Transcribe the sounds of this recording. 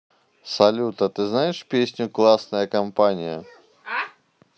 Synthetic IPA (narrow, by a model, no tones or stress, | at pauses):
sɐlʲut̪ɐt̪ɨznajɪʂpʲesʲnʲʊklˠasnəjɐkɐmpanʲɪjə̰